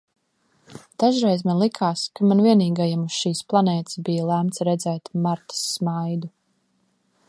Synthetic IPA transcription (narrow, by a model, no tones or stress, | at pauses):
d̪̥aʒɾɛjzmanlˠikʰaːskamanviɛniːɡajamusʃiːsplˠanɛːt̪ɪ̥sbijalˠæmt̪sɾɛd̪zɛːt̪maɾt̪ə̥sːmajd̪u